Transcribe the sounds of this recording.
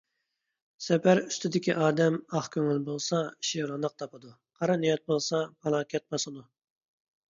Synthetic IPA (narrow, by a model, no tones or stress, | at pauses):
sɛpæɾyst̪ɪd̪ɪkʲiʔɑːd̪ɛmɑχkʲʰøŋylbolˠsɑiʃiɾlɨnəq̚t̪ʰɑpɨd̪u | qʰɑɾɑnijɑt̪̚bolˠsɑpɑlˠɑkʲɛt̪̚bɑsɨd̪u